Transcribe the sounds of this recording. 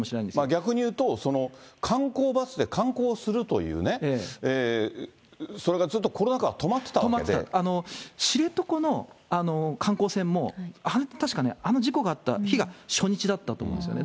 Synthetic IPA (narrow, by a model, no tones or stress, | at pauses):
moɕiɾanãnesmaɡʲakɯ̟ɲ̟ijɯ̟ːt̪o̞so̞no̞kʰãŋko̞ːbasɨd̪e̞kʰãŋko̞ːsɨɾɯ̟t̪o̞̰jɯ̰ːne̞eːeː | so̞ɾe̞ɡazɨt̪ːo̞kʰo̞ɾo̞nakaɡat̪o̞mat̪ːet̪aβomaeeet̪a̰ano̞ɕiɾe̞t̪o̞ko̞no̞ano̞kʰãŋko̞ːsẽ̞mːo̞anet̪aɕi̥kane̞ano̞ʑiko̞ɡaːt̪ːa̰çiɡaɕo̞ɲ̟it͡ɕid̪at̪ːat̪oːmõ̰esjo̰ne